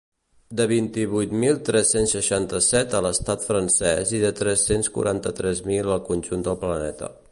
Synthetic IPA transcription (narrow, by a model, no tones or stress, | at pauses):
d̪əβ̞int̪iβ̞ujt̪milˠt̪ɾɛsensːəʃant̪əsɛt̪ələst̪at̪fɾənsɛziðət̪ɾɛsenskṵɾʔant̪ət̪ɾɛzmiləlˠkunʲʒund̪əlˠplənɛt̪ə̰